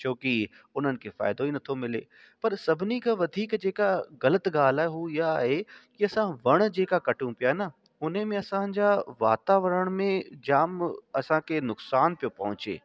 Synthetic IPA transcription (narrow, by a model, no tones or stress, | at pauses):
t͡ɕʰoːki | ʊn̤ənɪ̆kʰeːfa̰ːɪd̪oiːnɐt̪ʰomɪlḛ | pɐɾsɐbʱɪnikʰaʋɐd̪ʱiːkd͡ʑeːkaɣɐlət̪ɡaːl̤aːɦeɦuɪjaːɦekiɐsãʋɐɽ̃d͡ʑeːkakɐʈũpijaːenɐ | ʊn̤emẽɐsãd͡ʑaʋa̰ːt̪aːʋəɾəɽ̃mẽd͡ʑaːmɐsãkʰenʊksaːnpijopɐɦʊ̃t͡ɕḛː